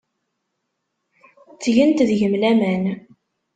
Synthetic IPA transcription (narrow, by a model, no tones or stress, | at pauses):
t͡sːʝənt̪ðʝəmlæmæn